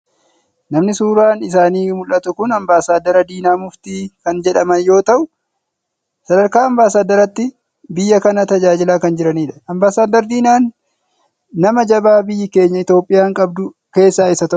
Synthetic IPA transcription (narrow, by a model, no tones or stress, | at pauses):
nɐmnɪsuːɾaːnɪs̬aːniːmʊlʔɐt̪ʊkʊnɐmbaːsaːd̪ɐɾɐd̪iːnaːmʊft̪iːkɐnd͡ʒɛᶑɐmɐnjo̞ːt̪ɐʔʊ | sɐd̪ɐɾkaːɐmbaːsaːd̪ɐɾɐt̪ːɪ | bɪjːɐkɐnɐt̪ɐd͡ʒaːd͡ʒɪlaːkɐnd͡ʒɪɾɐniːᶑɐ̥ɐmbaːsaːd̪ɐɾd̪iːnaːn | ɐmɐd͡ʒɐbaːbɪjːɪke̞ːɲːɐɪt̪jo̞ːpʼːɪjaːŋkʼɐbd̪ʊ | ke̞ːsːaːɪsɐt̪ɐʊ